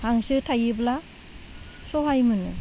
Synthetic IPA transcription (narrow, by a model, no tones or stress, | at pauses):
haŋsɯtʰajɯbla | sɔɦajmɯnɯ